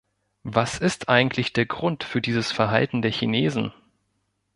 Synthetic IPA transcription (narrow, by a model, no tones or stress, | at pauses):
vasɪstʔaɪɡŋ̩tʰlɪçd̥eːɐɡʁʊntfyːɐdiːzəsfɛɐɦa̰ltn̩deːɐçineːzn̩